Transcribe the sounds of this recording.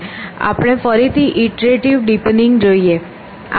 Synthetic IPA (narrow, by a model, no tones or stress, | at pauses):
a̰pɽ̃efəɾit̪ʰiʔiʈɾeʈiʋɖipenɖɪŋɡd͡ʒoie | a̰